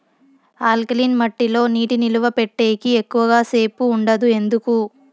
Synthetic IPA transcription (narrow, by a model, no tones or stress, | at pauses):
aːlkliːnmɐʈːilo̞ːniːʈiniluʋɐpeʈːe̞ːkiekːuʋɐɡaːse̞ːpuːɳɖɐd̪ue̞nd̪uku